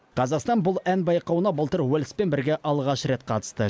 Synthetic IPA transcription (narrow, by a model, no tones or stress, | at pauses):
qʰɑzɑqst̪ɑnbʊlˠænbɑjqɑwənɑbəlˠt̪əɾwɵlɪspe̞nbɪɾɡʲe̞ʔɑlˠʁɑʃɾe̞t̪̚qʰɑt̪ə̥st̪ə